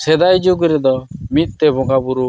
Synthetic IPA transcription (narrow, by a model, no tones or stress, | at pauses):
sɛd̪ajd͡ʒuɡɾɛd̪ɔmit̪̚ˀt̪ɛbɔɡabuɾu